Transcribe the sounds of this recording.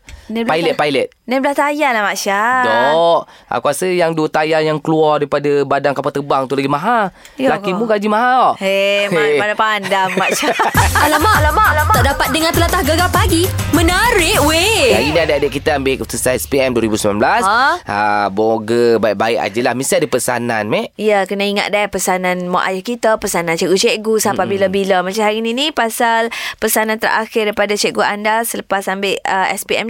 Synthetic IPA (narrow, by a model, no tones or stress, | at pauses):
nɛpajlɛt̪̚pajlət̪̚nɛblaht̪ajalamaʔsadɔʔʔa̰kuasəjaŋdut̪ajajaŋkəluɔrdaipadabadaŋkapat̪əbaŋt̪ulaɡimaɦa | lakkimũɡad͡ʒimaɦaɔʔeapadapandamːaʔʃaalamalamalaɔʔdapat̪̚dəŋãnt̪əlat̪ahɡaɡapaɡimənaɾɪʔweaɡidiadəadəʔkit̪aambɪʔut̪usanɛspiɛmduəɾibusəmanblasaə̰boɡəbaiʔbaɪʔa̰d͡ʒəlahmĩsadəpəsa̰nanmɛʔijəkənaiŋa̰t̪̚dapəsanãnma̰ʔa̰jahkit̪apəsanãnt͡ʃɛʔɡut͡ʃeʔɡusapabiləbiləmat͡ʃamɦaɾininĩpasalpəsanant̪ərʔa̰xɪrdaijpadat͡ʃɛʔɡuandasələpasambeʔəɛ̰spiɛ̰m